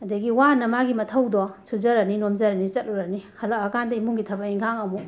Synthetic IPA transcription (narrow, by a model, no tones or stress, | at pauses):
ɐdɐɡiwanɐmaɡimɐtʰɐwdɔsʰuzɐɾɐninomd͡ʒɐɾɐnit͡ʃɐt̚luɾɐnihɐlaɐkandɐimuŋɡitʰɐbɐiŋɡʰaŋɐmu